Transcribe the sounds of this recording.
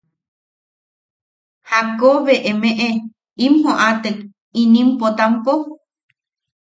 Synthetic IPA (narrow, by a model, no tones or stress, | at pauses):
hakoβeʔemeʔe | imhõʔat̪ək | inĩmpot̪ampo